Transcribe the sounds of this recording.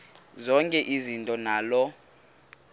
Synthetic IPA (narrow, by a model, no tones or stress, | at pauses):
zɔŋkʼɛʔizintʼɔnaːlɔ